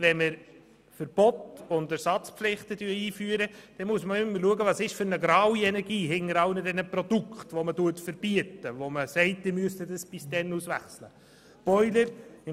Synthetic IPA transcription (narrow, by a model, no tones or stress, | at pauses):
ʋɛnmɪɾ | fəɾb̥ɔtʊndæɾsɑt͡spflɪχt̪ədyəiːfyːəɾəd̥ɛmuəsməʏməluəɡəvɑːsɪʃfʏɾnəɡɾɑːwiɛnɛɾɡiːɦɪŋəɾɑlnədɛnəprɔd̥ukχtʋɔmətuətfəɾb̥iətəʋoməsɛɪtɪmyəstədəsb̥ɪsd̥ɛnusʋæ̰χslə | b̥ɔʏləɾɪ